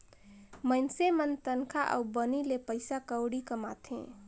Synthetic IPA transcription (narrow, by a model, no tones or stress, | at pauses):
mənsemənt̪ənkʰaʔə̰ubənilepəɪsakəʊɽikəmat̪ʰḛ̃